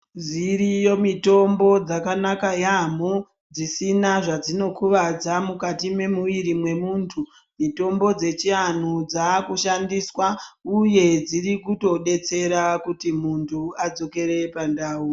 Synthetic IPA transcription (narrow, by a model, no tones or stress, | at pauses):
ziɾijo̞mito̞mbo̞d͡zakanakajamo | d͡zisinaʐad͡zino̞kʰuʋad͡zamukatime̞muʋiɾimwe̞muːntʰu | mito̞mbo̞d͡ze̞t͡ʃian̤ud͡zakuʃandiswauje̞d͡zirikuto̞ɗe̞t͡se̞ɾakutimuntʰuad͡zo̞ke̞ɾe̞pandaːu